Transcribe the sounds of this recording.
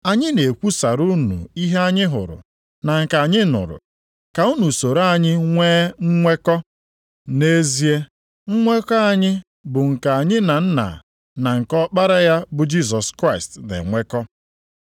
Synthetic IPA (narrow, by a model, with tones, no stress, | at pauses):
a˨ɲɪ˦ne˨kʷu˦sa˨ɾu˦nṵ˨i˦ɦe˦a˦ɲɪ˦ɦʊ̰˨ɾʊ̰˨ | na˨ŋ̩˨ka˨ɲɪ˦nʊ̰˨ɾʊ̰˨ | ka˨u˦nu˨so˨ɾa˦˨ɲɪ˦ŋʷeː˦ŋ̩˦ŋʷe˦kɔ˦ | ne˦zi˦e˦ | ŋ̩˦ŋʷe˦kɔ˦a˨ɲɪ˦ | bʊ˨ŋ̩˨ka˨a˨ɲɪ˦na˨n̩˦na̰˨ | na˨ŋ̩˨kɔ˦k͡pa˦ɾa˦ja˦bʊ˨d͡ʒi˦s̬ɔ˨skɾa˦˨ɪ˨stnḛ˨ŋʷe˦kɔ˦